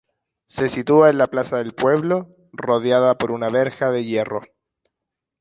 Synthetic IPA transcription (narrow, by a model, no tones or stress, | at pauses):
se̞sit̪uaenlaplasaðe̞lpwe̞βlo̞ | ro̞ðjaðapo̞ɾunaβe̞ɾxaðe̞je̞ro̞̰